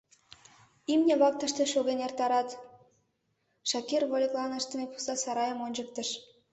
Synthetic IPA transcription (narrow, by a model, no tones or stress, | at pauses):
imnʲeβɑk̚t̪ə̆ʃt̪eʃoɣʲenert̪ɑɾɑt̪ | ʃɑkirβolʲeklˠɑnəʃt̪ə̆mepu̥sɑsɑɾɑjəmonʲd͡ʑək̚t̪ə̆ʃ